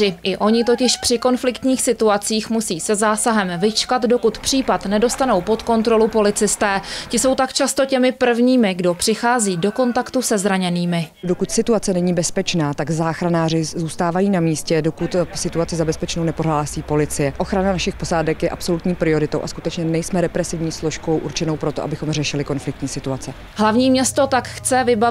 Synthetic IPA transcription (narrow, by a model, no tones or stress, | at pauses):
ɪʔɪʔo̞ɲɪt̪o̞cɪʃpr̥ɪko̞nflɪkt̪ɲiːxsɪt̪uat͡siːxmusiːsɛzaːsaɦɛmvɪt͡ʃkat̪do̞kut̪pr̥iːpat̪nɛdo̞st̪ano̞wpo̞t̪ko̞nt̪ɾo̞lupo̞lɪt͡sɪst̪ɛːcɪso̞wt̪akt͡ʃast̪o̞cɛmɪpr̩vɲiːmɪɡdo̞pr̝̥ɪxaːziːdo̞ko̞nt̪akt̪usɛzɾaɲɛniːmɪdo̞kut̪sɪt̪uat͡sɛnɛɲiːbɛspɛt͡ʃnaːt̪aɡzaːxɾanaːr̝ɪzuːst̪aːvajiːnamiːscɛdokut̪sɪt̪uat͡sɪzabɛspɛt͡ʃnownɛpoɾɦaːlasiːpo̞lɪt͡sɪjɛʔo̞xɾananaʃɪxpo̞zaːdɛkjɛʔapso̞lut̪ɲiːpɾɪo̞ɾɪt̪o̞wʔa̰skut̪ɛt͡ʃɲɛnɛjsmɛɾɛpɾɛsɪvɲiːslo̞ʃko̞wʔuɾt͡ʃɛno̞wpɾo̞t̪oʔa̰bɪxo̞mr̝ɛʃɪlɪko̞nflɪk̚t̪ɲiːsɪt̪uat͡sɛ | ɦlavɲiːmɲɛst̪o̞t̪akxt͡sɛvɪba